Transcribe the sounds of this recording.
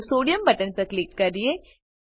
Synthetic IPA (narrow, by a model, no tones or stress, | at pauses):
soːɖijɐmbɐʈːɐnpɐkɭɪkːɐɾɪje